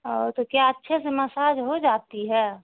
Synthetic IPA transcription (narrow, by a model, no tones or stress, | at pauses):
ɔ̰ːɾt̪okjaətːʃʰeseməsaːd͡ʒɦod͡ʒaːt̪iɦɛː